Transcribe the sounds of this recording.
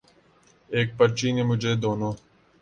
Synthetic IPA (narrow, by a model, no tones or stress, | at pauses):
eːk̚pəɾt͡ʃiːneːmʊd͡ʒʱeːd̪oːnoː